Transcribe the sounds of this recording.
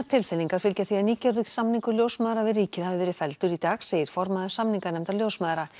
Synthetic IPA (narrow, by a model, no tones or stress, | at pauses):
t̪ʰɪlfɪliŋkaɾ̥fɪlcaθiaðniːcɛɾðʏksamniŋkʏɾljoːwsmaːðɾavɪɾrːiːcɪðhaɪvɛːɾɪfɛlt̪ʏɾit̪aːɣseːjɪɾ̥fɔɾmaðʏ̥samniŋkanɛmt̪aljoːwsmaːðɾa